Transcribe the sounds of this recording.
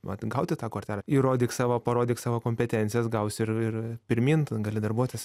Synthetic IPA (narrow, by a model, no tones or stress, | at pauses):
ʋɐt̪ɡɐʊt̪ʲɪt̪ɑːkɐtʲæːlʲiːɾoːd̪ʲiːksɑːʋopɐɾoːd̪ʲiːksɑːʋoːkoːmʲpʲɛt̪ʲɛnʲtt͡sʲɪjɛsɡɐʊsʲɪrɪrpʲɪɾʲmʲiːnt̪ɡɐlʲɪd̪ɐrbuɔt̪ʲɪs